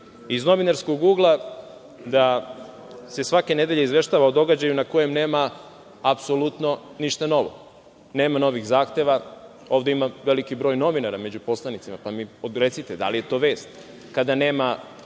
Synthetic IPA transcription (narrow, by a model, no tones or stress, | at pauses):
izno̞ʋinaɾskoɡɡuːɡlˠa | d̪a | se̞sʋake̞ne̞d̪e̞ʎeizʋe̞ʃt̪aːʋaod̪o̞ɡad͡ʑajunako̞je̞mne̞ːmaː | pso̞lut̪no̞niʃt̪ano̞ʋo̞̰ | ne̞ːmano̞ʋiɣzaːxt̪e̞ʋa | o̞ːʋd̪eimaʋe̞likibɾo̞ːjno̞ʋinaɾame̞d͡ʑupo̞slˠanit̪simapamiɾe̞t̪sit̪ed̪a̰lije̞t̪o̞ʋe̞ːst̪ | kad̪ane̞ːma